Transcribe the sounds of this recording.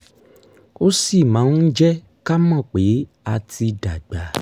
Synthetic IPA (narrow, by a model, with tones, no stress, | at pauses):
o˦si˦˨mã˨˦n̩˦d͡ʒɛ˦ | ka˦mɔ̃˦˨k͡pe˨˦ | a˧tʰi˧da˨ɡ͡ba˨